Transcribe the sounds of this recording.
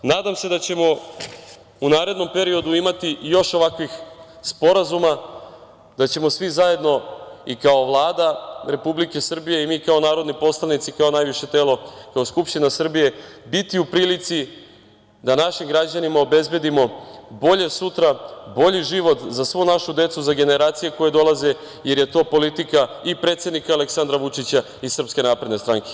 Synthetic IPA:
naːd̪amse̞d̪at͡ɕe̞mo̞ | unaːɾe̞d̪no̞mpe̞ɾio̞d̪uimat̪ijo̞ʃo̞ʋakʋix | spo̞ɾazuma | d̪̥at͡ɕe̞mo̞sʋizaje̞d̪no̞ikao̞ʋlˠaːd̪aɾe̞publike̞sr̩bije̞imiːkao̞naːɾo̞d̪nipo̞slˠanit̪sikao̞najʋiʃe̞t̪e̞ːlo̞kaoskupʃt̪inasr̩bije̞bit̪iupɾiːlit̪si | d̪anaʃimɡɾad͡ʑanimao̞be̞zbe̞d̪imo̞bo̞ʎe̞sut̪ɾabo̞ʎiʒiʋo̞t̪zasʋonaʃud̪e̞t̪suzaɡe̞neɾaːt̪sije̞ko̞jed̪o̞lˠaze | je̞ɾje̞t̪o̞ːpo̞lit̪ikaipɾe̞ːt̪sje̞d̪nikaːle̞ksand̪ɾaʋut͡ʂit͡ɕa | isr̩pske̞naːpɾe̞d̪ne̞st̪ɾaŋke̥

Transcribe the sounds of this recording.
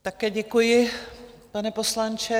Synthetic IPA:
t̪akɛːɟɛkujɪ | panɛposlant͡ʃɛ

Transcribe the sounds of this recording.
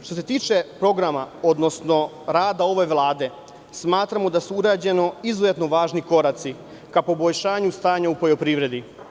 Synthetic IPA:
ʃt̪o̞se̞t̪iːt͡ʃe̞pɾo̞ɡɾamao̞d̪no̞sno̞ | ɾaːd̪ao̞ʋe̞ʋlˠaːd̪e̞ | smaːt̪ɾamo̞d̪asuuɾaːd͡ʑe̞no̞izuzet̪noʋaːʒniko̞ɾat̪si | kapo̞boʎʃaːɲust̪aːɲaupojo̞pɾiːʋɾe̞d̪i

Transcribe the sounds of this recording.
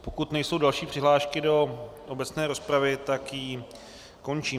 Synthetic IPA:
po̞kut̪nɛjso̞wdalʃiːpr̥ɪɦlaːʃkɪdo̞ʔo̞bɛt͡snɛːɾo̞spɾavɪt̪akji | ko̞nt͡ʃiː

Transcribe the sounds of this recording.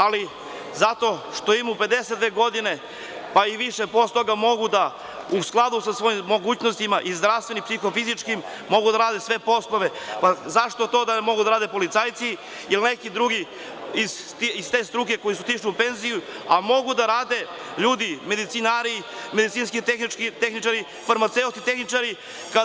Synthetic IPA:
ali | zat̪o̞ʃt̪o̞imupe̞d̪eset̪d̪ʋe̞ːɡo̞d̪ine | paiʋiʃepost̪o̞ɡamo̞ɡud̪a | usklˠad̪usasʋo̞jimːo̞ɡuːt͡ɕnost̪imaʔizd̪ɾafst̪ʋe̞nimpsixo̞fizit͡ʂkimː | o̞ɡud̪aɾaːd̪e̞sʋe̞po̞slˠoʋe̞pazaʂt̪ot̪o̞ːd̪amo̞ɡud̪aɾaːd̪e̞po̞lit̪saːjt̪si | ilnekid̪ɾuɡi | iz | t̪ist̪e̞st̪ɾuk̬e̞ko̞jisut̪iʂliupe̞nzijuamo̞ɡud̪aɾaːd̪e̞ | ʎuːd̪ime̞d̪it̪sinaɾimed̪it̪siːnskixnikit̪exnit͡ʃaɾi | faɾmat̪seut̪it̪e̞xnit͡ʃaɾi | ka

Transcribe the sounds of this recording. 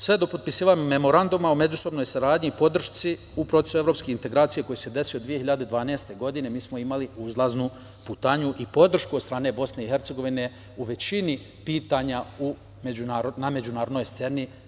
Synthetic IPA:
sʋe̞d̪o̞po̞t̪̚pisiːʋaɲume̞mo̞ɾand̪umaome̞d͡ʑuso̞bno̞jsaɾaːd̪ɲipo̞d̪r̩ʃt̪si | upɾot̪e̞sueɾo̞ːpskeint̪e̞ɡɾaːt̪sije̞ko̞jise̞d̪e̞siod̪ʋije̞hiʎad̪ed̪ʋaːneːst̪e̞ɡo̞d̪ine̞miːsmo̞imaliuzlˠaznu | put̪aːɲuʔipo̞d̪r̩ʃkuot̪st̪ɾaːne̞bo̞sne̞ixe̞ɾt̪se̞ɡo̞ʋine̞ | uʋe̞t͡ɕini | piːt̪aɲau | med͡ʑunaːɾonamed͡ʑunaːɾod̪no̞jst̪se̞ni

